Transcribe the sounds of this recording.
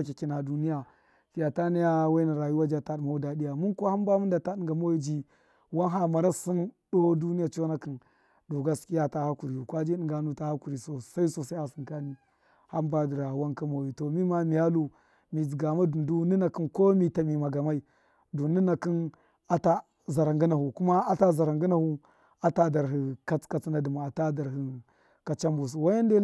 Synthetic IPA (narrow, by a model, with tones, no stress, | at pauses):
a˦ki˨ki˦na˨du˦ni˦ja˨ | fi˨a˨ta˦ni˦ja˦wa˦na˨ɾa˨ju˦wa˦d͡ʒa˦ta˦dma˨u˦da˨di˦ja˨mu˦ko˦ha˦mba˦mu˦nda˨ta˦ɗi˦ŋɡa˨mo˦ji˦d͡ʒi˦ | wa˦nɦa˦ma˨ɾa˦si˦ndo˦du˦ni˦ja˨t͡ʃo˦na˦ki˨n | do˨ɡa˦skʲi˦ja˦ta˦ha˦ku˨ɾi˨ju˨kwa˦d͡ʒi˦ɗi˦ŋɡa˨nu˦ta˦ha˦ku˨ɾi˨so˨sa˦i˦so˨sa˦ha˨si˨ŋka˦ni˦ | ha˦mba˦di˨ɾa˨wa˦nka˦ma˨wi˨to˨mi˦ma˦mi˨ja˦lu˦ | mi˨d͡zi˨ɡa˨ma˦du˨ndu˦ni˦na˨ki˦nko˦mi˨ta˨mi˨ma˨ɡa˨ma˦i˨ | du˨ni˦na˨ki˦n | a˦ta˦ | za˨ɾa˨ŋɡi˦na˨hu˨ku˦ma˦a˦ta˦za˨ɾa˨ŋɡi˦na˨hu˦ | a˨ta˦da˨ɾɦi˨ka˦t͡ska˦t͡sna˦di˨ma˨a˨ta˦da˨ɾhi˨ | ka˨t͡ʃa˦mbu˨s̬u˨wa˦ja˦nde˦